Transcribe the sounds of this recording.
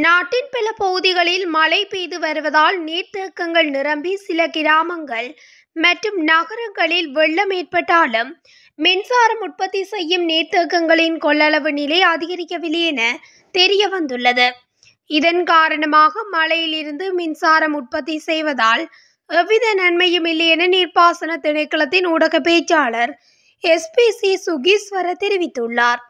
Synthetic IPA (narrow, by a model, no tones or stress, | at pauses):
naːʈːɪnpɐlɐpɔɣɯðɪɣɐɭɪlmɐlɐɪpeːðɯʋɐɾɯʋɐðaːlneːɾt̪eːkːɐŋɡɐɭnɪɾɐmbisɪlɐkɪɾaːmɐŋɡɐɭ | mɐʈrɯmnɐɣɐɾɐŋɡɐɭɪlʋɛɭːɐmeːrpɐʈːaːlɯmː | ɪnsaːɾɐmʊʈ̚pɐt̪ːisɛjːɯmneːrt̪eːkːɐŋɡɐɭɪnkɔɭːɐɭɐʋɯnɪlɐɪɐðɪɣɐɾɪkːɐʋɪlːeːnɐ | t̪ɛɾɪjɐʋɐnd̪ɯɭːɐðɯ | ɪðɐnkaːɾɐɳɐmaːɣɐmɐlɐjɪlɪɾɯnd̪ɯmɪnsaːɾɐmʊʈ̚pɐt̪ːisɛjʋɐðaːl | ɛʋɪðɐnɐɳmɐjɯmɪlːɐɛnɐniːrpaːsɐnɐt̪ɪɳɐɪkːɐɭɐt̪ːɪnʊɽɐɣɐp̬ːeːt͡ʃːaːɭɐɾ | ɛspisisʊɣisʋɐɾɐt̪ɛɾɪʋɪt̪ːɯɭːaːɾ